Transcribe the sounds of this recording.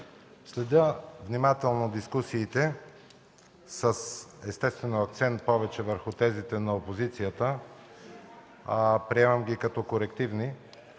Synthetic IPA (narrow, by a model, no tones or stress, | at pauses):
slɛd̪ʲəvnimat̪ɛlˠnod̪iskusiːt̪ɛ | səsɛst̪ɛst̪vɛnoɐk̚t̪sɛnt̪̚pɔvɛt͡ʃɛvəɾxut̪ɛzit̪ɛnɐopozit̪sijət̪ə | pɾiɛmɐmɡʲikɐt̪ɔkoɾɛkt̪ivni